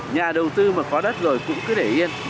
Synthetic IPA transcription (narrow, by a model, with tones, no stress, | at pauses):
ɲaː˨˩ɗə˨˩wt̪ɨ˧maː˨˩kɔ˨˦ɗə˦˥t̚zo˨˩jkʊ̰˧˥ŋ͡mkɨ˨˦ɗe˧˩ʔi˧ən